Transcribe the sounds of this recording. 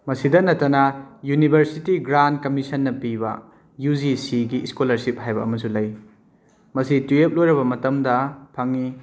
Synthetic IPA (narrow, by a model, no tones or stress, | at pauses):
mɐsidɐnɐtːɐnɐjunibʱɐɾsitiɡɾand̚kɐmisɐnːɐpibɐ̰ | jud͡ʒisiɡiskolɐɾsip̚hajbɐɐmɐsulɐj | mɐsituep̚lojɾɐβɐmɐtɐmdɐpʰɐŋi